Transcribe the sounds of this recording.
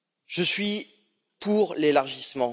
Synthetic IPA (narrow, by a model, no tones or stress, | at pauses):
ʒ̥əsɥi | pʰuʁlelaʁʒismɑ̃